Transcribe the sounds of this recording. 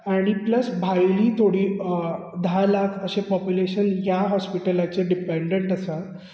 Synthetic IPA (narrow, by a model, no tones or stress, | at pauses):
aɽ̃ipləsbʱajliːt̪ʰoɽiː | d̪ʱalakʰəɕepɔpjuleɕənjjaɦɔspiʈəlat͡ɕeɖipeɳɖeɳʈəsat̪